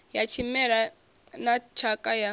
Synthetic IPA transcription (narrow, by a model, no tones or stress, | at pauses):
jat͡ʃʰimɛɺa | nat͡ʃʰakʼaja